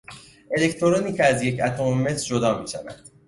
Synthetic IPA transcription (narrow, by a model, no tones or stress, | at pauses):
ʔe̞le̞ct̪ʰoɾoniːcʰeæzje̞cʰæt̪ʰo̞meme̞sɾd͡ʒod̪ɒːmiːʃævæ̰nd̪̥